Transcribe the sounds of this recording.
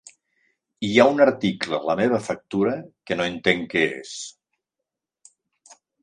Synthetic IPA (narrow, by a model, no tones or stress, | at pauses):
iaunəɾt̪iklələmeβ̞əfək̚t̪uɾəkənoent̪eŋkɛḛs